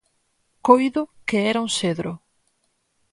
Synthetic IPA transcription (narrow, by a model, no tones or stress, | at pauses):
kojðʊkeɛɾauŋseðɾʊ